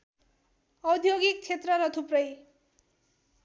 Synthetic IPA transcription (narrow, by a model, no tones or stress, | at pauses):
ʌd̪ʱjoɡik̚t͡sʰet̪rʌɾʌt̪ʰuprʌj